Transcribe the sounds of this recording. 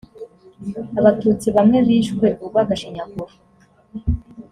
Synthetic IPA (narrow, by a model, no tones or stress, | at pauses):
aβatuːt͡siβamŋe̞βiːʃɡwe̞ʔuɡwakaʃiɲakuɾu